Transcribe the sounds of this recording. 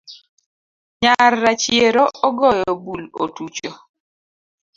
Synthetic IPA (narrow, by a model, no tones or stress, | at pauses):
ɲarːat͡ʃjeɾɔɔɡɔjɔbulo̰tut͡ʃo